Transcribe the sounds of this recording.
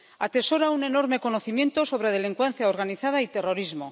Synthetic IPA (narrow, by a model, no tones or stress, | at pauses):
at̪e̞so̞ɾaune̞no̞ɾme̞ko̞noθimje̞nt̪o̞so̞βɾeð̞e̞liŋkwenθjaoɾɣ̞aniθað̞ait̪e̞ro̞ɾizmo̞